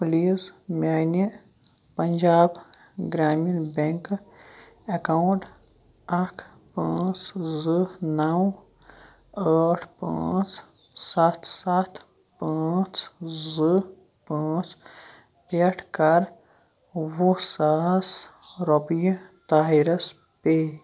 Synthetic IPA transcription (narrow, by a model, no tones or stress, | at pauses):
pliːsmʲaːni | pɐnd͡ʒaːb | ɡɾaːminbeŋk | ekawɳʈ | akʰ | pãːt͡ʃzɨnɐw | əːʈʰpã̰ːt͡ʃ | sat̪ʰsat̪ʰ | paːt͡ʃzɨ | paːt͡ʃ | peʈʰkɐɾ | wosasɾopijt̪aɦiɾɐs | pe